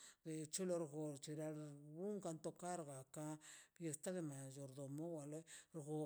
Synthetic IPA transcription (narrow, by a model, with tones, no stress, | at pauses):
d̪e˨t͡ʃu˦lo˧ɾɡo˨ɾt͡ʃi˨ɾa˧u˦ŋka˧nt̪o˧ka˦ɾɡa˨ka˦bje˨st̪a˦d̪e˦˧ma˨jo˨ɾd̪o˨mo˦wa˨le˦ɾɣo˨